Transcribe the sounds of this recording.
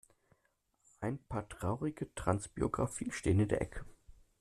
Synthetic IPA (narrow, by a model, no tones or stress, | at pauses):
ʔaɪnpʰaːɐtʁ̥aʊʁɪɡətʁ̥ansb̥ḭoɡʁa̰fiːʃteːənɪndḛɐʔɛkʰə̥